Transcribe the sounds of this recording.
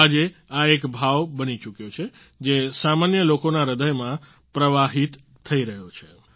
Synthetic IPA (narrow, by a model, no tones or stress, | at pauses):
ad͡ʒeaekbʱaʋbənit͡ʃukjot͡ʃʰe | d͡ʒesamanjəlokonaɾəd̪əjmã | pɾəʋaɦit̪ʰː | əiɾəɦjot͡ʃʰe